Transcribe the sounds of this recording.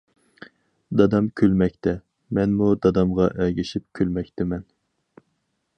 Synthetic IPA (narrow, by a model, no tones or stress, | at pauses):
d̪ɑd̪ɑmkʲʰølmɛkʲt̪ʰɛ | mɛnmud̪ɑd̪ɑmʁɑʔɛɡʲiʃip̚kʲʰølmɛk̚ʲt̪ʰɪmɛn